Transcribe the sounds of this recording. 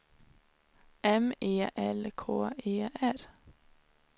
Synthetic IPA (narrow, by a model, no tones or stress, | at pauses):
ʔɛmeːʔɛlkʰo̰ːeːʔæɾ